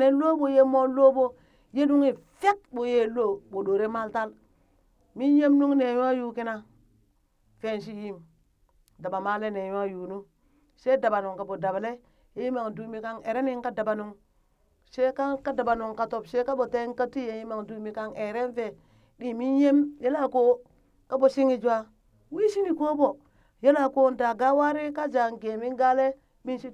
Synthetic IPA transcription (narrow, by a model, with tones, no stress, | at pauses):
ne˦lo˦bo˦˨je˦mo˦lo˦bo˦ | je˦du˦ŋi˨fe˦tbo˨je˦lo˦˨bo˨ɗo˨ɾe˦ma˦lta˦l | mi˦nje˦mnu˦ŋne˨ja˦ju˦ki˦na˦ | fe˦˨nʃ̬i˦ji˦m | da˨ba˨ma˦le˦ne˨ja˦juː˨nu˦ | se˦da˨ba˨nu˨ŋka˨bo˨da˨ble˦ | e˦ji˦ma˨ŋdu˨˦mi˦ka˦ŋe˨ɾe˦ni˦ŋka˦da˨ba˨nu˦ŋ | se˦ka˦ka˦da˨ba˨nu˨ŋka˨to˨bse˦ka˦bo˨te˦ŋ˦ka˦ti˦je˨ji˦ma˨ŋdu˨mi˨ka˦ŋe˨ɾe˦nfe˨ | ɗi˦mi˦nje˦mje˦la˦ko˦ | ka˦bo˨si˦ŋi˦d͡ʒa˦ | wi˦ʃi˦ni˨ko˦bo˨ | ja˦la˨ko˦n˦da˨ɡa˦wa˦ɾi˦ka˦d͡ʒa˨ŋɡe˨mi˦ŋɡa˦le˦ | mi˦nʃi˦